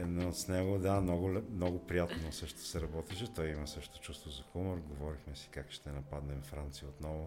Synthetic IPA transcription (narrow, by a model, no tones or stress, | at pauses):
noot̪snɛɡod̪amnɔɡʊɛmnɔɡʊpɾijat̪nosɤʃt̪o̥sɛɾɐbɔt̪ɛʃɛt̪ɔjimɐsɤʃt̪o̥t͡ʃust̪vozɐxuməɾɡovɔɾixmɛsi̥kakʃt̪ɛnɐpad̪nɛmfɾant̪sijəot̪nɔvʊ